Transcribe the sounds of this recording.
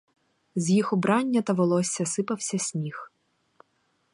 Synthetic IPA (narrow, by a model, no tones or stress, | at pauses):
zʲjixɔbɾɑnʲːɐt̪ɐʋɔlˠɔsʲːɐsɪpɐwsʲɐsʲmʲix